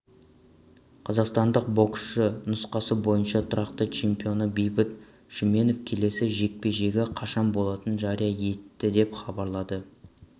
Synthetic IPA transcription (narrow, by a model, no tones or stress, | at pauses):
qʰɑzɑqst̪ɑnd̪əq̚bo̞ksʃənʊsqɑsəbo̞jənʃɑt̪ʰʊɾɑqt̪ət͡ʃʰe̞mpijo̞nəbejbɪt̪ | ʃɪme̞no̞fkʲʰe̞le̞sɪʒe̞k̚pe̞ʒe̞ɡʲeqʰɑʃɑmbo̞lˠɑt̪ənʒɑɾijɑje̞t̪ːɪd̪e̞pχɑbɑɾlˠɑd̪ə